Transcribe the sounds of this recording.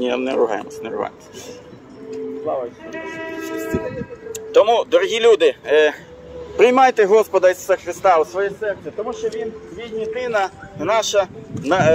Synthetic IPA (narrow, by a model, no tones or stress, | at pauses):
nʲinɛɾʊɦɑ̰jḛmsʲɐnɛ̰ɾʊ̰ɦa̰jmsʲɐ̥ | slˠɑʋɐsʲ | t̪ɔmud̪ɔɾɔɦʲilʲud̪ɪ | pɾɪjmɑjt̪ɪɦɔspɔd̪ɐjisu̥sɐxɾɪst̪ɑusʋɔjɛt̪sɛrkʋʲit̪ɔmuʃt͡ʃɔʋʲinʋʲid̪ʲnʲit̪ɪnɐnɑʃɐnɐ